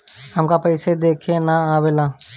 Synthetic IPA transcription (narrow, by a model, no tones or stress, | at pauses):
həmkaːpəɪseːd̪eːkʰẽːnãːaːʋeːlãː